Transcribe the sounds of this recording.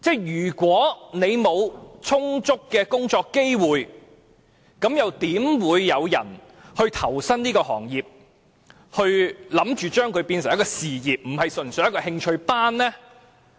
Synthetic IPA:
t͡sɛː˥˩jjyː˨˩kʷwɔː˨˥ne˨˧jmo˨˧wt͡sʰʊ˥ŋt͡sʊ˥kːɛː˧kʊ˥ŋt͡ʃɔː˧kːe˥jwuː˨j | kɐ˨˥mjɐ˨wt̪iː˨˥mwuː˨˧jːɐ˨˧wjɐ̰˨˩n | hɵ˧ɥt̪ʰɐ˨˩wsɐ˥nniː˥kɔː˧hɔ̰ː˨˩ŋjiː˨p̚ | hɵ˧ɥlɐ˨˥mt͡ʃyː˨t͡ʃœː˥ŋkʰɵ˨˧ɥpiː˧nsɪ˨˩ŋjɐ˥kɔː˧siː˨jiː˨p̚m̩˨˩hɐ˨jsɵ˨˩nsœ˨˥jɐ˥kɔ˧hɪ˧ŋt͡ʃʰɵ˧ɥpaː˥nlɛː˥

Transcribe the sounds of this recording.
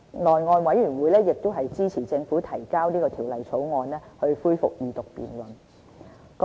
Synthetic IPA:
nɔː˨nŋɔː˧nwɐ˨˥jy˨˩nwuː˨˧jlɛː˥jɪ˨k̚t̪o˥ɦɐ˨jt͡siː˥t͡sʰiː˨˩t͡sɪ˧ŋfuː˨˥t̪ʰɐ˨˩jkaː˥wniː˥kɔː˧t̪ʰiː˨˩wlɐ˨jt͡sʰo˨˥wŋɔː˧nlɛː˥hɵ˧ɥfuː˥jfʊ˨k̚jiː˨t̪ʊ˨k̚pḭː˨nlɵ˨˩n | k

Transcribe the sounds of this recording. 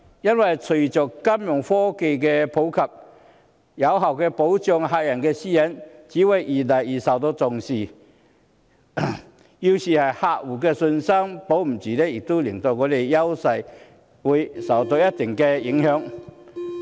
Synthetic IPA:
ja˦˥nwa˨˩t͡sʰu˨˩t͡ɕɔ˨˩kka˦mmjɔ˨˩ŋfɔ˦ke˧ke˧pʰo˨˦wkʰa˨p̚ | ja˨˦wɦa˨˩wke˧po˨˦ʊwt͡ɕjɔ˧ŋɦa˧ja˨˩nke˧ɕi˦˩ɛ˨˦nt͡ɕi˨˦we˧ʔi˨la˨ji˨sa˨˩wt̪ɔ˧˦t͡sɔ˨ŋɕi˨ | i˧wɕi˨˩ha˨˩ha˧u˨˩ke˧sʊ˧nsa˦˥ŋpo˨˦wm̩˨˩t͡ɕi˨˩le˦i˨k̚t̪u˦li˨˩ŋt̪ɔ˧kɔ˧˦le˧ja˦wsa˧j | wi˧˦sa˨˩wt̪ɔ˧ja˦t̪i˨˩ŋke˧i˨˧˦ŋhjɔ˨˧˦ŋ

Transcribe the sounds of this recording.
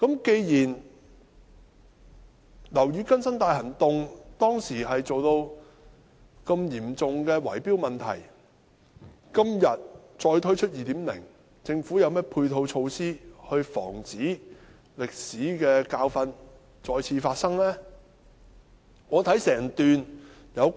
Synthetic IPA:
kɐ˨˥mke˧jjiː˨˩n | lɐ˨˩wjyː˨˧kɐ˥nsɐ˥nt̪aː˧jhɐ˨˩nt̪ʊ˨ŋt̪ɔː˥ŋsiː˨˩ɦɐ˨jt͡so˨wt̪o˧w | kɐ˧mjiː˨˩mt͡sʊ˨ŋkɛː˧wɐ̰˨˩jpiː˥wmɐ˨nt̪ʰɐ̰˨˩j | kɐ˥mjɐ˨t̚ | t͡sɔː˧jt̪ʰɵ˥ɥt͡ʃʰt̚jiː˨t̪iː˨˥mlɪ̰˨˩ŋ | t͡sɪ˧ŋfuː˨˥jɐ˨˧wmɛː˥pʰuː˧jt̪ʰo˧wt͡ʃʰo˧wsiː˥hɵ˧ɥfɔ̰ː˨˩ŋt͡siː˨˥ | lɪ˨k̚siː˨˥kɛː˧kaː˧wfɐ˧n | t͡sɔː˧jt͡sʰiː˧faː˧t̚sɐ˥ŋlɛː˥ | ŋɔː˨˧t̪ʰɐ˨˥jsɛː˨˩ŋt̪yː˨n | jɐ˨˧w

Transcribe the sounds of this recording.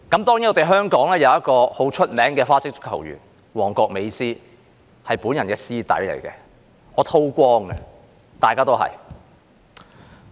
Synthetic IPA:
kɐ˨˦˥mt̪ɔː˥ŋjiː˨˥nɔː˨˧t̪e˨˩ɦœː˥ŋkɔː˨˥ŋlɛː˥jɐ˨˧wjɐ˥t̚kɔː˧ho˨˥wt͡ʃʰɵ˥t̚mɛː˨˥ŋkɛː˧faː˥sɪ˥k̚tʊ̥˥kʰːɐ̰˨˩wjy̰ː˨˩n | wɔː˨˩ŋkɔː˧k̚me˨˧jsiː˥ | hɐ˨jpuː˨˥njɐ˨˩nkɛː˧siː˥t̪ɐ̰˨˥jlḛ˨˩jkɛː˧ | ɔː˨˧t̪ʰo˥wkʷɔː˥ŋɡɛ̰˧ | t̪aː˨jkaː˥t̪o˥wɦɐ̰˨˩j

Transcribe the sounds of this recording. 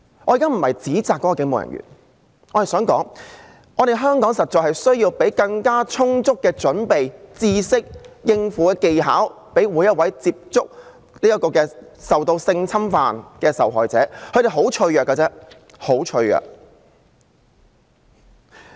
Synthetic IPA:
ɔː˨˧jiː˨kaː˥m̩˨˩hɐ˨˩jt͡siː˨˥t͡saː˨kːɔː˨˧˥kːɔ˧kɪ˧˥ŋmo˨wjɐ̰˨njy̰ː˨˩n | ɔː˨˧e˨˩sœː˨˥ŋkɔ̰ː˨˥ŋ | ʔɔː˨˧ɾe˨jɦœː˥ŋkɔː˨˥ŋsɐ˨t̚t͡ʃɔː˨hɐ˨jsɵ˥ɥjiː˧wpe˨˥jkɐ˧ŋkaː˥t͡sʰʊ˥ŋt͡sʊ˥kːɛː˧t͡ʃɵ˨˥npe˨jt͡siː˥sɪ˥k̚jɪ˧ŋfuː˨˥kɛː˧ke˨jɦa̰ː˨˥w | pe˨˥jwuː˨˧jːɐ˥t̚wɐ˨˥jt͡siː˧p̚t͡sʊ˥k̚ | niː˥ɐ˥kɔː˧kɛː˧sɐ˨wt̪o˧wsɪ˧ŋt͡sʰɐ˥mfaː˨nkɛː˧sɐ̰˨wɦɔː˨jt͡sɛ̰ː˨˦˥ɵ˨˧ɥɾe˨˩ɦo˨˥wt͡ʃʰɵ˧ɥjœː˨˩kːɐ˧t͡sɛː˥ | ho˨˥wt͡ʃʰɵ˧ɥjœ̰ː˨k̚

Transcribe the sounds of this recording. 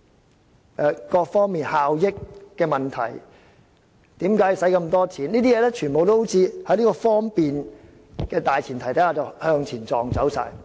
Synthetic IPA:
ʔɛː˨˧kɔː˧k̚fɔː˥ŋmiː˨˩nhaː˨wjɪ˥kːɛː˧mɐ˨˩nt̪ʰɐ̰˨˩j | t̪iː˨˥mkaː˨˥jsɐ˨˥jkɐ˧mt̪ɔː˥t͡sʰiː˨˥niː˥t̪iː˥jɛː˨˧lɛː˥t͡ʃʰyː˨˩npo˨wt̪o˥ho˨˥t͡sʰiː˧hɐ˨˥jliː˥kɔː˧fɔː˥ŋpiː˨n | kɛː˧t̪aː˨jt͡sʰiː˨˩nt̪ʰɐ˨˩jt̪ʰɐ˨˥jhaː˧˩t͡sɐ˨˩whœː˧ŋt͡sʰiː˨˩nt͡sɔː˨ŋt͡sɐ˨˥wsa̰ː˧j

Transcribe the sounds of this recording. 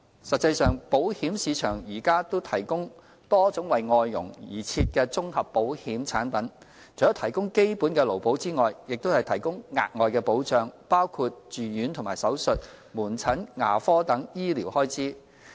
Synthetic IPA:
sɐ˨t̚t͡sɐ˧jsœː˨˩ŋpo˨˥whiː˨˥msiː˨˧t͡ʃʰœː˨˩ŋjiː˨˩kaː˥t̪o˥wt̪ʰɐ˨˩jkʊ˥ŋ | t̪ɔː˥t͡sʊ˨˥ŋwɐ˨jŋɔː˨˧jːʊ̰˨˩ŋjiː˨˩t͡sʰiː˧t̚kɛː˧t͡sʊ˥ŋhɐ˨pːo˨˥whiː˨˥mt͡sʰaː˨˥npɐ˨˥n | t͡sʰjɔ˨˥t̪ʰɐ˨˩jkʊ˥ŋke˥jpuː˨˥nkɛː˧lo˨˩wpo˨˥wt͡siː˥ŋɔː˨jjɪ˨k̚t̪o˥hɐ˨jt̪ʰɐ˨˩jkʊ˥ŋŋa̰ː˨˧k̚ŋɔː˨jkɛː˧po˨˥wt͡sœː˨˧ŋpaː˥wkʰuː˧t̚t͡ʃyː˨jyː˨˥nt̪ʰʊ˨˩ŋmaː˨˩jsɐ˨˥wsɵ˨t̚muː˨˩nt͡sʰɐ˨˥nŋa̰ː˨˩fɔː˥t̪ɐ˨˥ŋjiː˥liː˨˩whɔː˥jt͡siː˥

